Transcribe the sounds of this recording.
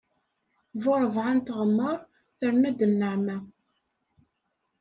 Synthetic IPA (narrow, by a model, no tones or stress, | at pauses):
vʊɾˤəvʕant̪əʁəmːəɾˤ | θəɾnæd̪ənːəʕmæ